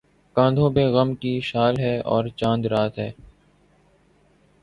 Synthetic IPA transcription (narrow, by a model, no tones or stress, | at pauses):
kãːnd̪ʱõbeɣəmkiʃaːlɦɛːɔ̰ːɾt͡ʃãːnd̪ɾaːt̪ɦɛː